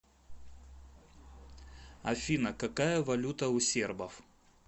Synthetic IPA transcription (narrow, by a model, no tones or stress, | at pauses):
ɐfʲinɐkɐkajəvɐlʲut̪əʊsʲerbəf